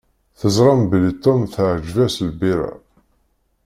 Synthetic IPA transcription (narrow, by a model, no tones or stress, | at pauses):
θəzˤɾˤɑmbəlit̪ˤːomθʕd͡ʒvæsəlbiɾæ̰